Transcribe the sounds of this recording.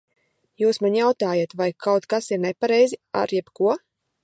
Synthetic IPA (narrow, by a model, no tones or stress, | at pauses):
juːsmanʲjawt̪aːjat̪vajkʰawt̪kasiɾnɛpaɾɛjzia̰ɾjɛb̥kuɔ